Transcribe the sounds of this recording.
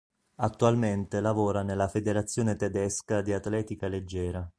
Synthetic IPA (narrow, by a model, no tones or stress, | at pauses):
at̪ːualment̪elavoːɾanelːafed̪eɾat̪sːjoːnet̪ɛd̪ɛskad̪iat̪lɛːt̪ikaled͡ʒːɛːɾa